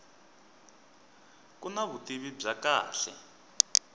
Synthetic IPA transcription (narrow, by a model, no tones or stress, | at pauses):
kunaβutiβib͡ʐaka̰ːɬɛ̰